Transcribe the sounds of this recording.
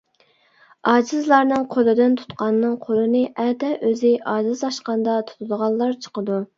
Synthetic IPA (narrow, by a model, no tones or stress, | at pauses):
ɑːd͡ʒɨzlˠɑɾnɨŋqʰolˠɨd̪ɪnt̪ʰu̥t̪qɑnːɨŋqʰolˠɨnɨʔæɾd̪ɛʔøzɪʔɑːd͡ʒɪzɑʃqɑnd̪ɑt̪ʰu̥t̪ʰud̪ʁɑlˠːɑɾt͡ʃʰə̥qəd̪u